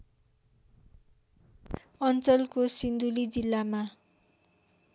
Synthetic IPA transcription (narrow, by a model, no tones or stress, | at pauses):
ʌnt͡sʌlkosind̪ulid͡zilːama